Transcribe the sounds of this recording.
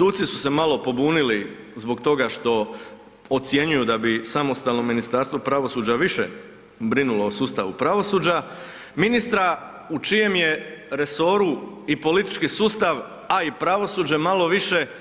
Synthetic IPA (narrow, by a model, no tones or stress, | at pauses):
suːdt̪sisu̥se̞malˠo̞po̞buːnili | zbo̞kt̪o̞ɡaʃt̪o̞ | ot̪sje̞ɲujud̪abisamo̞st̪alno̞mːinist̪aɾst̪ʋopɾaʋo̞suːd͡ʑaʋiʃḛ | bɾinulo̞ːsuːst̪aʋupɾaʋo̞suːd͡ʑa | minist̪ɾa | ut͡ʃije̞mjeɾe̞so̞ɾuipo̞lit̪i̥t͡ʃkisuːst̪aʋ | aipɾaʋo̞suːd͡ʑemalˠo̞ʋiʃe̞